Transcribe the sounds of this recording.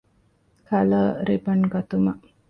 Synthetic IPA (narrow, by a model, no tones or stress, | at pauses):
kʰɐləɾibɐŋɡɐt̪umɐʔ